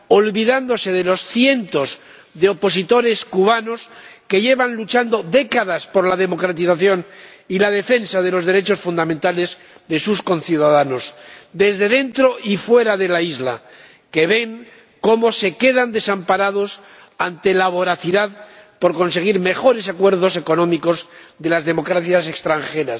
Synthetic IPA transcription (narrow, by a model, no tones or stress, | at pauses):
o̞lβiðand̪ose̞ðe̞lo̞sθje̞nt̪o̞z | ðeo̞po̞s̬it̪o̞ɾe̞skuβano̞ske̞ʝe̞βanlut͡ʃand̪o̞ðe̞kaðaspo̞ɾlaðe̞mo̞kɾat̪iθaθjo̞nilað̞e̞fe̞nsaðe̞lo̞zðe̞ɾet͡ʃo̞sfund̪ament̪ale̞z | ðe̞susko̞nθjuðaðano̞sd̪e̞zðe̞ðe̞nt̪ɾo̞ʔifwe̞ɾaðe̞laizla̰ | ke̞βe̞ŋ | ko̞mo̞se̞ke̞ðand̪e̞sampaɾað̞o̞s | ant̪e̞laβo̞ɾaθiðaðpo̞ɾko̞ns̬e̞ɣ̞iɾme̞xo̞ɾe̞s̬akwe̞ɾð̞o̞s̬e̞ko̞nõ̞miko̞zðe̞lazðe̞mo̞kɾaθjase̞kst̪ɾaŋxe̞ɾas